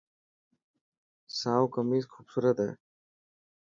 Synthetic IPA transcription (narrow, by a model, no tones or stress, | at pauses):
sawkəmiskʰuːbsuɾət̪ɦɛ̰ː